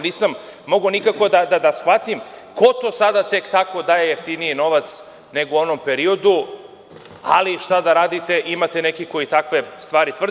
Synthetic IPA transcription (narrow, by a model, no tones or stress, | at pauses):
niːsamːo̞ɡonikako̞d̪ad̪ad̪asxʋat̪im | ko̞t̪o̞sad̪at̪e̞kt̪ako̞d̪aːjeje̞ft̪inijino̞ʋat̪s | ne̞ɡuo̞nompeɾio̞d̪u | a̰liʃt̪ad̪aɾaːd̪it̪e̞ʔimat̪ene̞kiko̞jit̪akʋe̞st̪ʋaːɾit̪ʋr̩